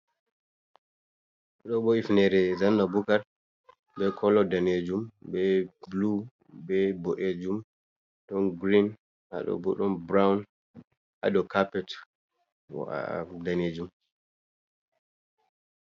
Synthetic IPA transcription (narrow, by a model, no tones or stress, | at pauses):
ɗɔɓɔifnɛɾɛzanːabukaɾ | bɛkʰɔlːɔdaned͡ʒumbɛblu | bɛboʔed͡ʒum | ɗɔnɡɾin | a̰ɗɔ̰bɔɗɔnbɾawn | ʔa̰ɗɔkapɛt | daned͡ʒum